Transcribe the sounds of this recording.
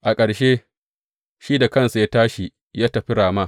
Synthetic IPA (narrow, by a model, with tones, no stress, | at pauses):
ʔa˨kʼɐ˨ɽʃeː˦ | ʃiː˦da˨kɐ˦˨nsu˨jaː˦taː˦ʃi˨ | jaː˦tɐ˨ɸɪ˦ɽaː˨ma˦